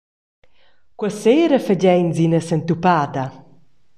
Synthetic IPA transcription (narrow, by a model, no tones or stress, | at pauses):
kwəseːɾəfəd͡ʑɛjnzinəsɛnt̪upaːd̪a